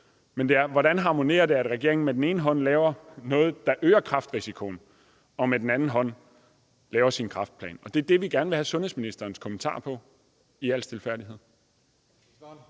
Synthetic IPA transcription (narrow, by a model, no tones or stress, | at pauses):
mend̥e̝æɐʋɒɾænɦɑ̈mo̝ne̝̰ːɐd̥e̝æd̥ʁaɡ̥e̝ɐeŋn̩med̥en̩e̝ːnəɦɒ̽n̰lɛːʊɐnɔ̽ːð̞̩ˠd̥ɑ̈ʔøːɐkʰʁɑ̈fd̥ʁisikʰo̝n̩ | ɒ̽med̥en̩ænn̩ɦɒ̽n̰ | lɛːʊɐsinkʰʁɑ̈fd̥̚pʰlɛ̰ːnɒ̽d̥e̝ɐd̥e̝ʋiɡ̥æɐnəʋe̝hæsɔ̽nhesminisd̥ɐːnskʰɔ̽mən̩t͡sʰɑ̰̈ːpʰɒ̽ | iæl̰sd̥ʰe̝lfæɐdie̝ð̰ˠ